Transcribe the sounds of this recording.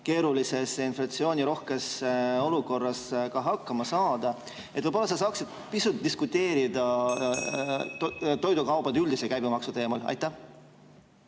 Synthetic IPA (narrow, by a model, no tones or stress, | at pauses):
ke̞ːɾulise̞sinflɑt̪sio̞ːnʲiɾo̞hke̞so̞luko̞rːɑskɑɦɑkːɑmɑsɑːd̪̥ɑ | et̪vɤjbolːɑs̬ɑs̬ɑːksid̪̥̚ | pisut̪̚d̪̥iskut̪ːe̞ːɾid̪̥ɑ | t̪o̞jd̪ukɑwb̥ɑd̪eyld̪isekæjbimɑksut̪e̞ːmɑlɑ̰jt̪ːæh